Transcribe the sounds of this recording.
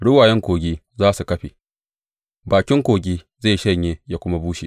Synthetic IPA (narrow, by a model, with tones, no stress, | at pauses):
ɽʊ˦waː˨jɛ˦ŋkʷoː˨ɡʲiː˦ | zaː˦su˨kɐ˦ɸi˨ | baː˨kʲɪ˦ŋkʷoː˨ɡʲiː˦ | za˦˨ʃɐ˦˨ɲjeː˦jaː˦kʷʊ˦ma˦buː˦ʃḭ˨